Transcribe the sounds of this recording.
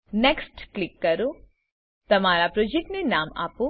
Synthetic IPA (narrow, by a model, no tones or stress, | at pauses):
nɛːksʈklɪkːɐɾo | t̪ɐmaːɾapɾod͡ʒek̚ʈnenaːma̰ːpo